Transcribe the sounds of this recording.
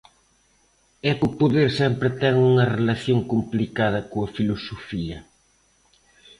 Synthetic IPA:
ɛkupoðeɾsɛmpɾɪt̪ɛŋuŋɐrelɐθjoŋkumplikaðɐkoɐfilosofiɐ

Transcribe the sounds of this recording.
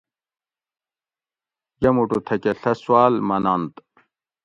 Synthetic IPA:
jɐmuʈut̪ʰɐkeɬɐswaːlmɐnant̪

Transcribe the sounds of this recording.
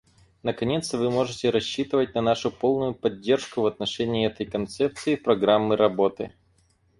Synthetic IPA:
nəkɐnʲe̞t̪st̪əvɨmo̞ʐɨtʲɪɾɐɕːit̪ɨvət̚ʲnɐnaʂʊpo̞lˠnʊjʊpɐdʲːe̞rʂkʊvɐt̪̚nɐʂɛnʲɪːɛt̪əjkɐnt̪sɛp̚t̪sɨɪpɾɐɡɾamːɨɾɐbo̞t̪ɨ

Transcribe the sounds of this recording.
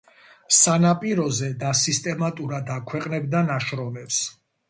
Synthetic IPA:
sanapʼiɾɔzɛd̪asist̪ʼɛmat̪ʼuɾad̪akʰwɛqʼnɛbd̪anaʃɾɔmɛps

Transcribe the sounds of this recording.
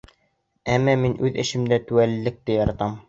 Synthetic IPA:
æmːæminʔʉðɘ̆ʃɘ̆md̪æt̪ʉælːɘ̆k̚t̪ɘjɑɾɑt̪ɑm

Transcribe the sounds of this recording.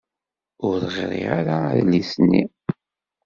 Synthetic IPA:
ʊɾθʁ̰ɾˤḭaɾa̰ðlːisnːi

